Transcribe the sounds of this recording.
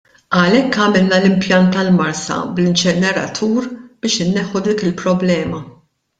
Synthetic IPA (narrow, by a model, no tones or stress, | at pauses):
ɐlɛkːɐmɪlnɐlɪmpjɐnt̪ːɐlmɐɾsɐ̰blɪnt͡ʃɛnɛɾɐ̰t̪ʰuːɾb̥ɪːʃɪnːɛħːud̪iːkɪlpɾɔblɛːmɐ